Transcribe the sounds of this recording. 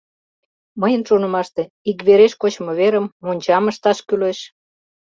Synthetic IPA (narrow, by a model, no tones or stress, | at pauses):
məjənʃonə̆mɑʃt̪e | ik̬βeɾeʃkot͡ɕmoβeɾə̆mːonʲt͡ɕɑmə̆ʃt̪ɑʃkyleʃ